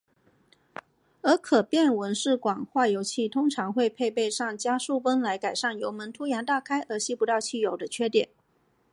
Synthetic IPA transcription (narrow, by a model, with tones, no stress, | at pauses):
ə˞˧˥kʰɤ˨˩pjɛ˥˩nwə˧˥nʂɻ̩˥˩kwɑ˨˩ŋxwa˥˩jo˧˥ʊt͡ɕʰi˥˩t̪ʰʊ˥ŋʈ͡ʂʰɑ˧˥ŋxwe˥˧ɪpʰe˥˧ɪpe˥˧ɪʂɑ˥˩ŋt͡ɕja˥ʂu˥˩wə˥nla˧˥ɪka˨˩ɪʂa˥˩njo˧˥ʊmə˧˥nt̪ʰu˥jɛ˧˥nt̪a˥˩kʰa˥ɪʔə˞˧˥ɕi˥˩pu˧˥t̪ɑ˥˧ʊt͡ɕʰi˥˩jo˨˧˩ʊd̪ə˦t͡ɕʰɥɛ˥t̪jɛ˨˩˦n